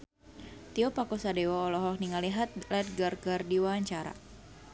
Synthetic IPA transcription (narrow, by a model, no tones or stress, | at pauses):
t̪iɔpakosadewaɔlɔɦɔk̚niŋaliɦat̪̚lɛt̪̚ɡarɡardiwaaɲt͡ʃaɾa̰